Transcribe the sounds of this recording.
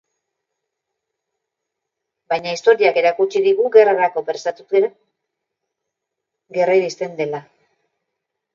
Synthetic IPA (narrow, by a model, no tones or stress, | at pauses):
bajɲaist̪o̞ɾiake̞ɾakut͡ʃiðiɣuɣe̞raɾako̞peɾsat̪ut̪ | ɡe̞rajɾist̪e̞nd̪e̞la